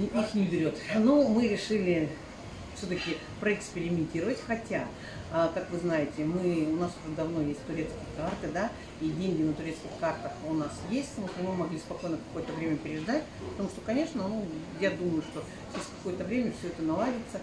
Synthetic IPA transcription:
ixnʲɪbʲɪɾʲo̞t̪nomɨɾʲɪʂɨlʲɪ | fsʲot̪əkʲɪ | pɾəɪkspʲɪɾʲɪmʲɪnʲtʲiɾəvətʲxɐtʲa | əkakvɨznajɪtʲɪmɨʊnasʊʐɛd̪ɐvno̞jesʲt̚ʲt̪ʊɾʲe̞t̪skʲɪjɪkart̪ɨd̪a | idʲenʲɡʲɪnət̪ʊɾʲe̞t̪skʲɪxkart̪əxʊnasjesʲtʲt̪ɐmuʂt̪vəmɨmɐɡlʲispɐko̞jnəkɐ̥ko̞jət̪əvɾʲemʲəpʲɪɾʲɪʐd̪atʲpət̪ɐmuʂt̪okɐnʲe̞ʂnənu | jad̪uməjʊʂt̪o̞ | t͡ɕʲɪsʲkɐ̥ko̞jət̪əvɾʲemʲəfsʲɵɛt̪ənɐlˠadʲɪt̪sə

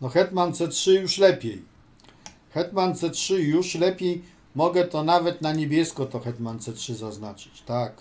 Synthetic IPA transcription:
nɔxɛt̪mant̪sɛtʂɘjuʂlɛpʲjej | xɛt̪mant̪sɛtʂɘjuʂlɛpʲjej | mɔɡɛt̪ɔnavɛt̪naɲebʲjɛskɔt̪ɔxɛt̪mant̪sɛtʂɘzaznat͡ʂɘ̥t͡ɕt̪ak

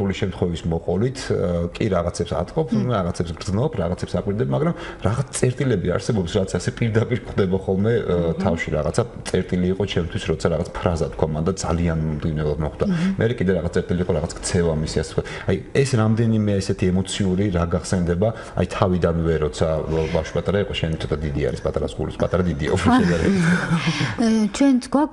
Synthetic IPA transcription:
uliʃɛmt̪ʰχwɛvismɔqʼɔlit̪ʰkʼiɾaʁat̪sʰɛːpsa̰t̪ʼqʼɔpʰaʁat̪sʰɛpsɡɾd̪znɔpʰɾaʁat̪sʰɛpsakʼwiɾd̪ɛbmaɡɾamɾaʁat̪t̪sʼɛɾt̪ʼilɛbia̰ɾsɛbɔpsɾaʁat̪sʰasɛpʼiɾd̪apʼiɾkʰχd̪ɛbaχɔlˠmɛt̪ʰafʃḭɾa̰ʁa̰t̪sʰat̪sʼɛɾt̪ʼiliːqʼɔt͡ʃʰɛmt̪ʰwisɾɔt̪sʰaɾaʁat̪sʰpʰɾazat̪̚ʰkʰwamand̪ad̪za̰lianmd̪ɡivnɛulˠad̪mɔχd̪amɛɾɛkʼid̪ɛɾaʁat̪at̪ʼɛɾt̪ʼiliqʼɔɾaʁat̪sʰakʼt̪sʰɛvamisiasɛt̪̚ʰkʰat̪ʰajɛsɾamd̪ɛnimɛɛsɛt̪ʰiɛmɔt̪sʰiuɾiɾaɡaχsɛnd̪ɛba | a̰jt̪ʰavid̪anvɛɾɔt̪sʰabafʃi̥pʼat̪ʼaɾaiqʼɔʃɛnit̪sʰɔ̥t̪ad̪id̪ia̰ɾispʼat̪ʼaɾasɡṵlḭspʼat̪ʼaɾad̪id̪ḭɔpɾɔʃɛɡ̪aɾɛ̰ | t͡ʃʰwɛnsʰɡwak

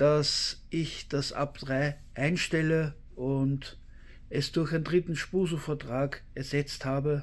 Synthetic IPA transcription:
d̥asʔɪçd̥asʔa̰pd̥ʁaɪ | ʔaɪnʃtɛlə | ʔʊnt | ɛsd̥ʊɐçæɪndʁɪtn̩ʃpuːzofɛɐtʁ̥aːkɛɐzɛt͡sthaːbə

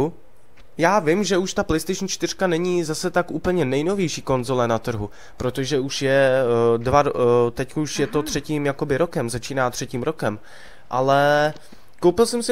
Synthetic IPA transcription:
jaːvɪmʒɛuʃt̪aplɛjst̪ejʃn̩t͡ʃt̪ɪr̥kanɛɲizasɛt̪akʔuːpl̩ɲɛnɛjno̞vjɛjʃiːko̞nzo̞lɛnat̪r̩ɦu | pɾo̞t̪o̞ʒɛuʃjɛdvaɾt̪ɛckouʃjɛt̪o̞t̪r̝̥ɛciːmjako̞bɪɾo̞kɛmzat͡ʃiːnaːt̪r̝̥ɛciːmɾo̞kɛm | ʔalɛ | kowpɪlsɛmsɪ

